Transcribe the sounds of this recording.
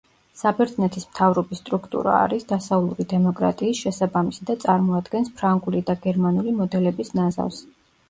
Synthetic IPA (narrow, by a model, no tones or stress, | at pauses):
sabɛɾt̪znɛt̪ʰismt̪ʰavɾɔbisːt̪ʼɾukʰt̪ʼṵɾa̰ːɾisd̪asalˠuɾid̪ɛmɔkʼɾa̰t̪ʼiːsʃɛsabamisid̪at̪sʼaɾmɔad̪ɡɛnspʰɾaŋɡulid̪aɡɛɾmanulimɔd̪ɛlɛbisnaza̰vs